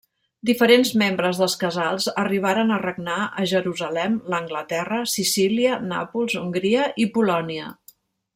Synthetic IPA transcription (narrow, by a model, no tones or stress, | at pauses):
d̪ifəɾenzmembɾəzðəlˠskəzalˠzəriβ̞aɾənərəɡ̚naəʒəɾuzəlɛmləŋɡlət̪ɛrəsisiliəna̰pulˠzuŋɡɾiəʔipulɔniə